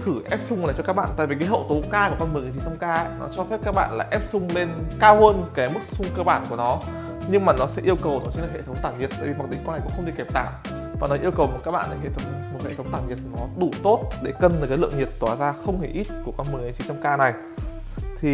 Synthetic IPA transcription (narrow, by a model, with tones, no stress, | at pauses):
kɨ˧˩ʔɛ˦˥p̚sʊ˧ŋ͡mlaː˨˩t͡ɕɔ˧kaː˦˥k̚ɓa̰ː˧˨t̪a̰˧˨vi˨˩kaː˨˦ɦə̰˧˨wt̪o˨˦kaː˧ku˧˩kɔ˧nm˨˩ŋ˨˦t͡ɕi˨˦ntʰə˧ŋ͡mkaː˧˦˥nɔ̰˨˦t͡ɕɔ˧fɛ˦˥p̚kaː˦˥k̚ɓa̰ː˧˨nla̰ː˨˩ʔɛ˦˥p̚sʊ˧ŋ͡mle˧nkaː˧wɦəː˧nkaː˨˦jmɨ˦˥k̚sʊ˧ŋ͡mkəː˧ɓaː˧˩nku˧˩ənɔ˨˦ | ɲɨ˧ŋmaː˨˩nɔ˨˦sɛ̰˧˥ʔi˧əwkə˨˩wnɔ˨˦t͡ɕə˧˦nlə˨˩hḛ˧˩tʰə˨˦wŋ͡mt̪aː˧˩wŋɲi˨˩ət̚t̪a̰ː˧˩vi˨˩ma˨˩k̚ɗï˨˦ŋkɔ˧nlaː˨˩kxŋ͡m̪ɨ˨˩ke˨˩p̚t̪a̰ː˧˩˨m | vaː˨˩nɔ˨˦ʔi˧əwkə˨˩wmo˨˩t̚kaː˦˥k̚ɓa̰ː˧˨nʔə˨˩he˧˩t̪ʰwŋ͡mmo˨˩t̚hḛ˧˨tʰə˨˦wŋ͡mt̪aː˧˩ɲi˨˩ət̪̚nɔ˨˦ɗu˧˩t̪o˦˥t̚ɗe˧˩kə˧˩nɨ˨˩kaː˨˦jlɨ̰˧˨əŋi˨˩ət̚t̪waː˧˩zaː˧xə˧wŋ͡mhe˧˩ʔi˦˥t̚ku˧˩əkɔ˧nmɨ˨˩ŋə˨˦ŋt͡ɕi˨˦t̪ʰə˧ŋ͡mkaː˧na˨˩j | t̪ʰi˨˩